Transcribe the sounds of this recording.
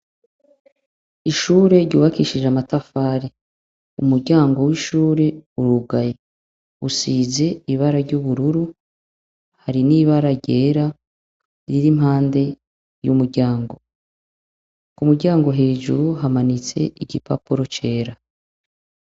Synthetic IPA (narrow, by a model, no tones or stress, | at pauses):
iʃuɾe̞ɾɟuːβakiʃiʒamatafaːɾi | umuɾɟaːŋɡo̞wiʃuːɾe̞uɾuɡaje | usiːze̞iβaɾaɾɟuβuɾuɾu | haɾiniβaɾaɟe̞ːɾa | ɾiɾim̥ɦaːnde̞ | jumuɾɟaːŋɡo̞ | umuɾɟaːŋɡo̞ɦe̞ːʒuɾuɦamanit͡se̞iɟipa̰puɾo̞t͡ʃe̞ːɾa